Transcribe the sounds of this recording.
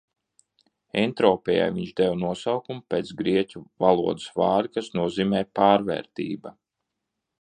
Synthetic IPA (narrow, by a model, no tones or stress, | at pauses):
ent̪ɾɔːpʲɛja̰jviɲʒd̪ɛwnuɔsawkumpʲeːt̪sɡɾiɛcʲuvalˠuɔd̪ɨsvaːɾikasnuɔziːmɛːpaːɾvɛ̰ːɾt̪ḭːba